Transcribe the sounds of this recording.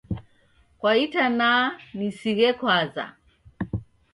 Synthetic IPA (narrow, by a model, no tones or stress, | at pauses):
kwaitanaːnisiɣɛkwaza̰